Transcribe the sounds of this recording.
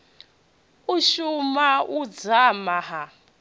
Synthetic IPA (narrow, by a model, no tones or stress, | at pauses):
uʃumaud͡zamaɦa